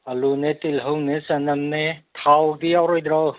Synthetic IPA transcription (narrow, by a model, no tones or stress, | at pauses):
ɐlunetilɦɐwnesɐnɐmnetʰawdiawɾɔjd̪ɾaw